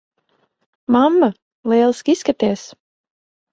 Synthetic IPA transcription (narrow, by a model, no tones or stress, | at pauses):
mamːə | leːlˠskiskat̪eːs